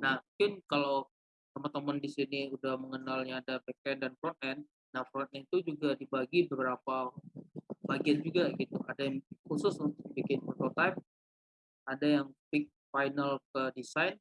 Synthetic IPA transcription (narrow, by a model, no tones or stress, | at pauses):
nahmuŋkɪnkalaw | t̪əmərt̪əmandisiniudahməŋənalɲaːdabɛk̚ɛndanfɾɔnt̪ɛn | nahfɾɔnt̪̚ɛnt̪ud͡ʒuɡadibaɡibəbəɾapa | baɡiand͡ʒuɡaɡit̪uadajaŋhusʊsunt̪ʊk̚bikɪnfɔt̪ɔlt̪ajm̚ | adajaŋpɪk̚fajnalkədisajn